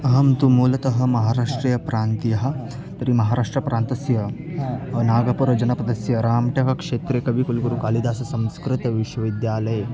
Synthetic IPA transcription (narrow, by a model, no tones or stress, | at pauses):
ɐɦɐmt̪umuːlɐt̪ɐɦɐ̆mɐɦaːɾaːʂʈɾijɐpɾaːnt̪ijɐɦɐ | t̪ɐɾimɐɦaːɾaːʂʈɾɐpɾʔaːnt̪ɐsjɐ | naːɡɐpuɾɐd͡ʒɐnɐpɐd̪ɐsjɐɾaːmʈɐɦɐkʂeːt̪ɾekɐʋikulkuɾukaːlid̪aːsɐsɐ̃mskɾɪt̪ɐʋiʃwɐʋid̪jaːlɐj